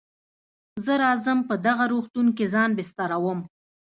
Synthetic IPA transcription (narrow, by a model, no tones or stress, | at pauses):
zəɾɑzəmpəd̪aɣaɾoxt̪unkezɑnbɪst̪ɑɾawəm